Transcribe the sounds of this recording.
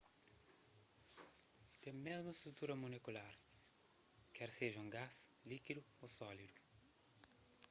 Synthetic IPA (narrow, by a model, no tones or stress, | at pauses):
t̪emezmɐst̪ɾut̪uɾɐmulekulaɾ | kɛɾseʒɐũɡaslikid̪ʊ | osɔlid̪ʊ